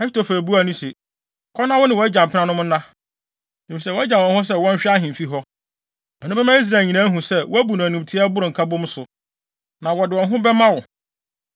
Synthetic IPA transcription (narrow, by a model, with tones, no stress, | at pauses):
ɛ˦ɕɪ˦tʰo˨fæ˨bu˦a˨nũ˦sɪ˨ | kʰɔ˦nːã˦wɔ˦nɪ̃˨wɔ˨ɛ˦d͡ʑã˨m̩˨pʰɪ˦nã˦nʊ̃˦m̃˦nã˦ | di˨ĩ˨sɛ˦˨wɔ˦ɛ˦d͡ʑã˨wɔ̃˨nhʊ̃˦s̬ɛ˦wɔ̃˦ɲ̩˦ɕᶣɪ˦a˦ɦɪ̃˨m˨fi˦ɦɔ˦ | ɛ˨nʊ̃˦bɛ˦mã˦i˦s̬ɾa˨lɲĩ˨nã˦ɦũ˨sɛ˦wɔ˦æ˦bu˨nũ˨nũ˨m˨tʰɪ˦a˦bʊ˦ɾʊ˨ŋ̩˨kʰa˦bʊ̃˦m˦sʊ˨ | nã˨wɔ˨dɪ˨wɔ̃˨nɦʊ̃˦bɛ˦mã˦wɔ˨